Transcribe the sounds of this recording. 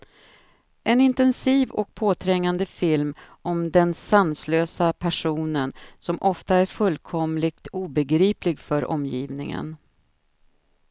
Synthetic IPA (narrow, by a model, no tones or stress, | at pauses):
ʔɛnɪnt̪ɛnsiːvɔ̰k̚pʰoːt̪ʰɾɛŋːand̪əfɪlm | ɔmd̪ɛnsansløːsapʰæʂuːnənsɔmʔɔft̪aæɾfɵlːkʰɔmlɪk̚t̪ʰuːbɛɡɾiːplɪɡfœɾʔɔ̰mːjḭːvnɪ̰ŋə̰n